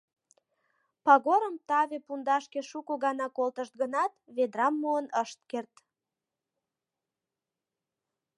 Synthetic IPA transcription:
pɑɣoɾəmt̪ɑβepund̪ɑʃkeʃukoɣɑnɑkolt̪əʃt̪̚ɡənɑt̪βed̪ɾɑmːuənəʃt̪̚kert̪

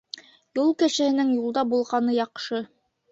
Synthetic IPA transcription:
julˠkæʃɘ̆hɘ̆nɘŋjulˠd̪ɑbulˠʁɑnɤjɑqʃɤ

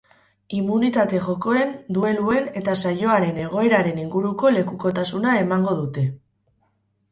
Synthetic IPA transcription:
imunit̪at̪e̞ʝo̞ko̞e̞nd̪ue̞lue̞ne̞t̪asajo̞aɾe̞ne̞ɣ̞o̞e̞ɾaɾe̞niŋɡuɾuko̞le̞kuko̞t̪asunae̞maŋɡo̞ðut̪e̞

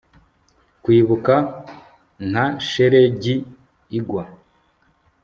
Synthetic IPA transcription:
kwiːβuka | ŋ̥aʃeɾe̞ɟiː | ɡwa

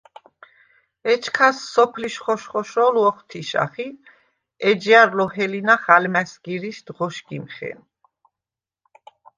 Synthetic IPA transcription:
ɛt͡ʃʰkʰasːɔpʰliʃχɔʃχɔʃɔlɔχt̪ʰiʃa̰χi | ɛd͡ʒiaɾlɔhɛlinaχalmɛsɡiɾiʃd̪̥ʁɔʃɡimχɛ̰n

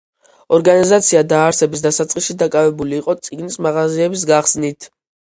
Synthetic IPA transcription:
ɔɾɡanizat̪sʰiad̪aːɾsɛbis̬d̪asat̪sʼqʼisʃid̪akʼavɛbuliːqʼɔt̪sʼiɡnismaʁaziɛbis̬ɡaχsnit̪ʰ

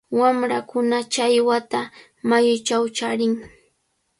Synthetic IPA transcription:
wamɾakʊnat͡ʃajwat̪a | majʊt͡ʃawt͡ʃaɾɪŋ

